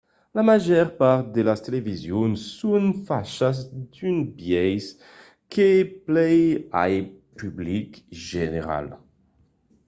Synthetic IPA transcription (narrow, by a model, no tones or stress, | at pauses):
lamaʒɛʁpaʁt̪̚d̪elast̪elevizjonsːunfaʃazd̪ynbjɛjz | keplɛja̰jpyblikʒeneʁa̰l